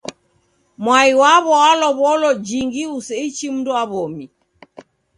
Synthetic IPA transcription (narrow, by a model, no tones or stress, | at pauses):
mwaiwaβɔalɔβɔlɔd͡ʒiŋɡiusɛit͡ʃim̩dɔaβɔmi